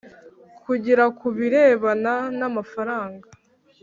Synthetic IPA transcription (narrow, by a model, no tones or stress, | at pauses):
kʰuɟiɾakuβiɾeːβananamafaɾaːŋɡa